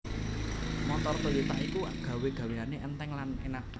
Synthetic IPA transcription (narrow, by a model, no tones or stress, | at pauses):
mɔt̪ɔrt̪ojut̪a̰ʔikuɡ̥ä̤weɡ̥ä̤weaneʔɛnt̪ɛŋlanḛnaʔ